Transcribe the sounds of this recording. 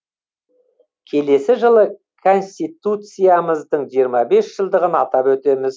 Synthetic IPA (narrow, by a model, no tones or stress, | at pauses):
kʲʰe̞le̞sɪʒəlˠə | kʰo̞nʲsʲt̪ijt̪ut̪sɨjaməzd̪əɴʒijəɾmɑbe̞sʒ̥əlˠd̪əʁənɑt̪ɑpwɵt̪e̞mɪz